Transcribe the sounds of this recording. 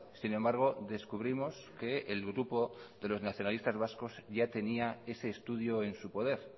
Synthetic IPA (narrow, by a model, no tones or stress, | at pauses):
sine̞mbaɾɣ̞o̞ðe̞skuβ̞ɾimo̞s | ke̞ːlɣɾupo̞ðe̞lo̞znaθjo̞nalist̪azβasko̞zʝat̪e̞niae̞se̞ːst̪uð̞joe̞nsupo̞ð̞e̞ɾ